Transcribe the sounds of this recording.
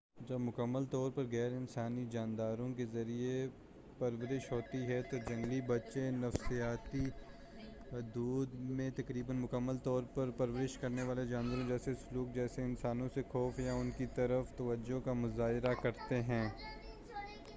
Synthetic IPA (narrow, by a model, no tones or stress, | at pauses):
d͡ʒɐbmʊkəmːəlt̪ɔːɾpɐɾɣɛːɾɪnsaːnid͡ʒaːnd̪aːɾõk̬ezɐɾie | pɐɾʋəɾɪʃɦoːt̪iɦɛt̪od͡ʒɐ̃ŋɡlibɐtːʃenɐfsijaːt̪i | ɦʊd̪uːd̪mẽt̪ɐkɾiːbənmʊkəmːəlt̪ɔːɾpɐɾpɐɾʋəɾɪʃkɐɾneʋaːled͡ʒaːnʋəɾõd͡ʒɛːsesʊluːk̚d͡ʒɛːseɪnsaːnõsexɔːfjaʊnkit̪ɐɾəft̪ɐʋəd͡ʒokamʊzaːɦɪɾakɐɾt̪eɦɛ̃ː